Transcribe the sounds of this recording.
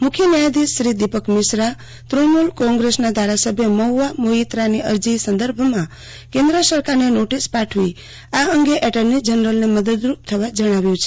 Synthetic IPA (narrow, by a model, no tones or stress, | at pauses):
mʊkʰjənjad̪isːɾid̪ipəkmɪʃɾa | t̪ɾomulkɔ̃ŋɡɾesnad̪ʱaɾasəbʱjəməuamoit̪ɾaniəɾd͡ʒisə̃nd̪əɾbʱmã | kẽnd̪ɾəsəɾkaɾnenoʈispaʈʰʋi | aəŋɡeʔɛʈəɾnid͡ʒənɾəlneməd̪əd̪ɾup̚t̪ʰəʋad͡ʒəɽ̃aʋjũt͡ʃʰe̥